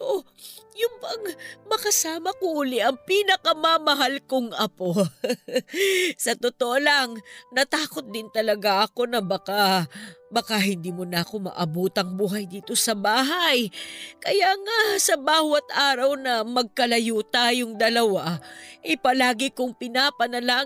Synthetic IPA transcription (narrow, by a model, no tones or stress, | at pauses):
ʔo | jʊŋbɐŋmɐkɐsaːmɐkoʔulɪʔɐŋpiːnɐkɐmɐmɐɦalkoŋɐpo̞ | sɐt̪ot̪oʔolɐŋnɐt̪aːko̞t̪̚d̪ɪnt̪ɐlɐɡaʔɐko̞nɐbɐka | bɐkaɦɪnd̪iːmonɐɐko̞mɐ̰ʔɐbuːt̪ɐŋbuːɦɐjd̪iːt̪o̞sɐbaːɦɐjkɐjaŋasɐbaːwɐt̪̚ʔaːɾɐwnɐmɐɡ̚kɐlɐjut̪aːjoŋd̪ɐlɐwaʔɛjpɐlaːɡɪkʊŋpɪnaːpɐnɐla